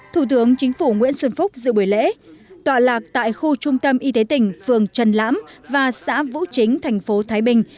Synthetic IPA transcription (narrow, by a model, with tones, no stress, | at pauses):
t̪ʰu˧˩t̪ɨ˨˦əŋt͡ɕï˨˦ŋ̟fu˧˩ŋwḭ˧˥ənswə˧nfʊ˦˥k͡p̚zɨ̰˧˨ɓu˧˩əjlḛ˧˥t̪waː˨˩laː˨˩k̚t̪a̰ː˧˨jxu˧t͡ɕʊ˧ŋ͡mt̪ə˧mʔi˧t̪e˨˦t̪ï˨˩ŋ̟fɨ˨˩əŋt͡ɕə˨˩nla̰ː˧˥mvaː˨˩sa̰ː˧˥vṵ˧˥t͡ɕï˨˦ŋ̟t̪ʰɛ˨˩jŋ̟fo˨˦t̪ʰaː˨˦jɓï˨˩ŋ̟